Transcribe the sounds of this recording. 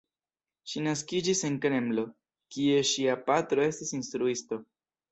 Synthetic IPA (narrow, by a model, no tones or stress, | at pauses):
ʃinaskid͡ʒise̞nkɾe̞mlo̞ | kie̞ʃiapatɾo̞e̞stisinstɾuisto̞